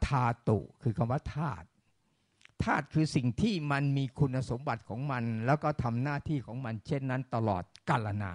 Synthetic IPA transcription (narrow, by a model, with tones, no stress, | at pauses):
t̪ʰaː˧t̪ṵ˨˩kʰɯː˧kʰa˧mwaː˥˩t̪ʰaː˥˩t̪̚ʰː | aː˥˩t̪̚kʰɯː˧si˨˩ŋt̪ʰiː˥˩ma˧nmiː˧kʰu˧nːa˧so˩˦mba˨˩t̪̚kʰɔː˩˦ŋma˧nlɛː˦˥wkɔː˥˩t̪ʰa˧mnaː˥˩t̪ʰiː˥˩kʰɔː˩˦ŋma˧nt͡ɕʰe˥˩nːa˦˥nt̪a˧lɔ̰ː˨˩t̪̚ka˧la˧na̰ː˧